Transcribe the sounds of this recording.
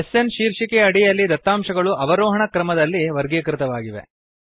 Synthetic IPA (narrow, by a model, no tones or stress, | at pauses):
esenʃiːɾʂikeɐɽijɐlːid̪ɐt̪ːaːmʃɐɡɐɭuʔɐʋɐɾɔːɦɐɳɐkɾɐmɐd̪ɐlːiʋɐɾɡekɾɪt̪ɐʋaːɡiʋe̞̰